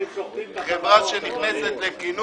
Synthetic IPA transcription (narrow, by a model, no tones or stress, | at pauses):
dʁevaʃeniχneset̪lekinu